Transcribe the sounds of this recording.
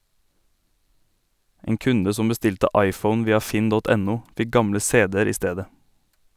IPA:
ˈeːŋ ˈkʉndə ˈsɔm bəˈstɪltə ˈɑɪˌfəʊn ˈʋiːɑ ˈfɪn ˈdɔt ˈɛˌnuː ˈfɪ ˈɡɑmlə ˈseːdɛɾ ˈiː ˈsteːdə

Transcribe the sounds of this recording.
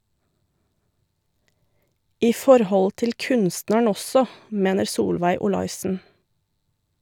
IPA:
ˈiː ˈfɔɾˌhɔl ˈtɪl ˈkʉnsnəɳ ˈɔsɔ ˈmeːnəɾ ˈsuːlʋæɪ ʊˈlɑɪsn̩

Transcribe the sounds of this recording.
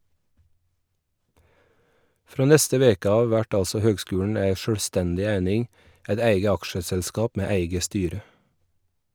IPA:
ˈfɾoː ˈnɛstə ˈʋeːkə ˈɑːʋ ˈʋæʈ ˈɑlsɔ ˈhøːɡˌskʉːɳ̩ ˈæɪ ʃœɽˈstɛndɪ ˈæɪnɪŋ ˈæɪt ˈæɪɡə ˈɑkʃəsɛlˌskɑːp ˈmeː ˈæɪɡə ˈstyːɾə

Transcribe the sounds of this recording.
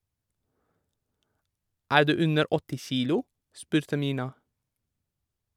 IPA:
ˈæːɹ ˈdʉː ˈʉnəɾ ˈɔtɪ ˈçiːlʊ ˈspʉːɾtə ˈmʏnɑ

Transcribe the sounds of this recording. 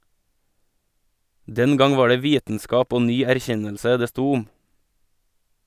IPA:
ˈdɛn ˈɡɑŋ ˈʋɑː ˈɖeː ˈʋiːtn̩ˌskɑːp ˈoː ˈnyː æɾˈçɛnəlsə ˈdeː ˈstuː ˈʊm

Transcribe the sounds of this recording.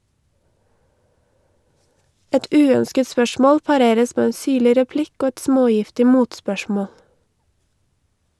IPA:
ˈɛt ˈʉːœnskət ˈspœʃmɔl pɑˈɾeːɾəs ˈmeː ˈeː ˈsyːɭɪ ɾɛˈplɪk ˈoː ˈɛt ˈsmoːˌjɪftɪ ˈmuːtspœˌʃmɔl

